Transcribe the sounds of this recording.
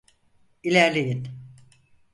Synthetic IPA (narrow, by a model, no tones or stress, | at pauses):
ilʲæɾlʲejin